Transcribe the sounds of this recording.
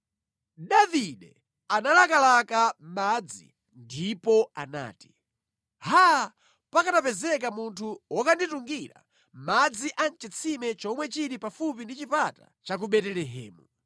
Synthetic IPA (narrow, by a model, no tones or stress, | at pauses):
ɗaviɗɛ | analakalakamad͡zḭ | ndipɔa̰na̰ːti̥ | haa | pakatapɛzɛk̬amuntʰuwɔkandituŋɡiɾa̰ | mad͡ziʔan̩t͡ʃɛt͡sʰimɛt͡ʃɔmwɛt͡ʃiɾipafupindit͡ʃipata̰ | t͡ʃak̬uɓɛtɛlɛɦɛ̰ːmu